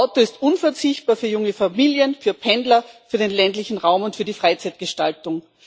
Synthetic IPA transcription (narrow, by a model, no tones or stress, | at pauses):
aʊtoɪstʔʊnfɛɐt͡sɪçt̚b̥aːɐfyːɐjʊŋəfamiːljənfyːɐpʰɛndlɐfyːɐɾenlɛntlɪçn̩ʁaʊmʊntfyːɐdiːfʁaɪt͡sæɪt̚ɡ̥əʃta̰ltʊŋ